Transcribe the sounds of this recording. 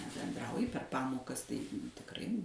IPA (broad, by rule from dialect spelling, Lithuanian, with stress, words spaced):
nʲɛbʲɛnˈdrɐʊjɪ pʲɛr ˈpɑːmoːkɐs tɐɪ tʲɪkˈrɐɪ